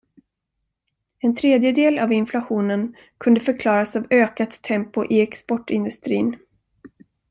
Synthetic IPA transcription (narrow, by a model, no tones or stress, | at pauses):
ɛnt̪ʰɾeːd̪jəd̪eːlavɪnflaɧuːnən | kʰɵnd̪əfœɾkʰlɑːɾasavøːkat̪ʰːɛmpʊʔɪɛkspɔʈːɪnd̪ɵst̪ɾḭːn